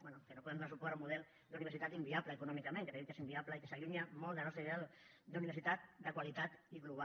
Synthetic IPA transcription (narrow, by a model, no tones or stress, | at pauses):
bwenukenopuðemfaɾsupoaɾumuðɛl | d̪uniβɾsit̪at̪imbiaβlaekunɔmikamẽŋket̪eikes̬imbiaβlaikesaʎuɲamold̪anɔst̪ɾiβeɛl | d̪uniβeɾsit̪at̪̚d̪əkwalit̪at̪iɣluβ̞a